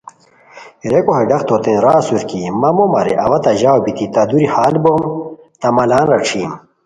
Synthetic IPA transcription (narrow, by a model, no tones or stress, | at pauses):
ɾekoɦeɖɐxt̪ʰot̪ẽnɾaːsuɾkimɐmomɐɾḛʔɐwɐt̪ɐʑawbit̪it̪ɐd̪uɾihaːlbom | t̪ɐmɐlaːnɾɐʈ͡ʂʰiːm